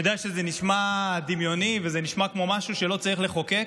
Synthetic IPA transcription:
jod̪ejaʃezeniʃmad̪imjo̞nivezeniʃmakmo̞maʃuʃelo̞t͡saʁiχleχo̞ke

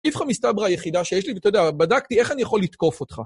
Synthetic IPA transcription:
ifχamistabʁajeχidaʃejeʃlivet̪ojdeabadaktie̞χanijaχo̞lit̪ko̞fo̞t̪χa̰

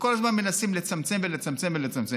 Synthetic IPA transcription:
ko̞lazmanme̞nasimle̞t͡samt͡se̞mvelet͡samt͡se̞mvelet͡samt͡se

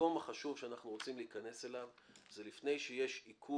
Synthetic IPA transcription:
o̞maχaʃuvʃeanaχnuʁo̞t͡simliikane̞se̞lav | zelifne̞jʃejeʃikʰu

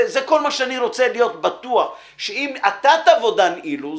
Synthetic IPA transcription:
zeko̞lmaʃeaniɾo̞t͡selijo̞t̪bat̪uaχ | ʃeimat̪at̪aːvo̞d̪anʔilu

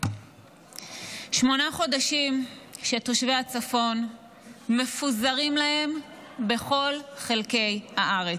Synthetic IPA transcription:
ʃmo̞naχo̞daʃimʃe̞toʃveat͡safo̞n | me̞fuzaʁimlahe̞m | be̞χo̞lχe̞lke̞jhaʔaʁe

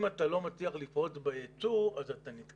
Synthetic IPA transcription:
matalo̞mat͡siaχlifʁo̞t͡sbeet͡suazatanit̪

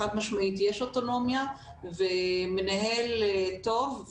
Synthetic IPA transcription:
at̪maʃmaʔit̪jeʃo̞to̞no̞mja | vemenaɦelto̞v

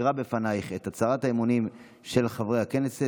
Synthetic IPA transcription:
ʁabe̞fanajχe̞tat͡saʁataemunim | ʃe̞lχavʁehake̞nese

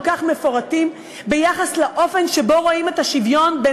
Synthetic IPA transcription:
kaχme̞fo̞ʁatim | bejaχaslaʔo̞fe̞nʃe̞bo̞ʁoime̞taʃivjo̞nbe

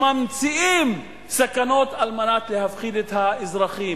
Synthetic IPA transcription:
mamt͡siʔim | sakanot̪almanat̪lehafχid̪et̪haizɾɑχi

